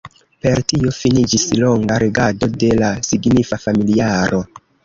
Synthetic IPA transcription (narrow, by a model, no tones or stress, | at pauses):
pe̞ɾtio̞finid͡ʒislo̞ŋɡaɾeɡado̞de̞lasiɡnifafamiliaɾʔo̞